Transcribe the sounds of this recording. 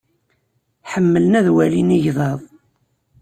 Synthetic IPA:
ħəmːələnæðwæliniʝðˤɑðˤ

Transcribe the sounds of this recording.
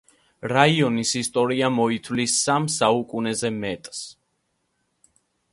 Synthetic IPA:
ɾaiɔnisist̪ʼɔɾiamɔit̪ʰwvlisamsaukʼunɛzɛmɛt̪ʼs

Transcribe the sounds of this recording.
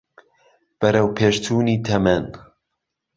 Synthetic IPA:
b̥ɐɾɐwpʰeːʃt̪ʰuːniːt̪ʰɐmɛn

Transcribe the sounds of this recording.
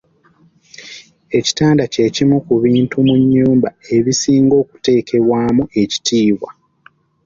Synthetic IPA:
e̞ci̥taːndace̞cimukuβiːntumuɲːuːmbae̞βisiːŋɡo̞ːku̥te̞ːkʰe̞βwaːmuʔe̞ci̥tʰiːβwa̰

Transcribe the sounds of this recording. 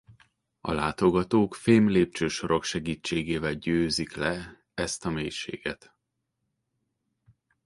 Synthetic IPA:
ɒ̰laːt̪o̞ɡɒt̪oːkfeːmleːp̚t͡ʃøːʃo̞ɾo̞kʃɛɡiːt͡ʃːeːɡeːvɛlɟøːziklɛ | ɛst̪ɒmeːjʃḛːɡɛt̪

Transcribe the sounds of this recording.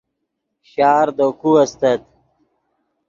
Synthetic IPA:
ɕaːɾd̪okuɐst̪ɐt̪̚

